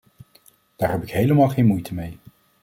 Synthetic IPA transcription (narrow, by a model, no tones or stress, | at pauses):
d̥aːɹɦɛpɪkɦejləmɑːlˠχejnmujtʰəmej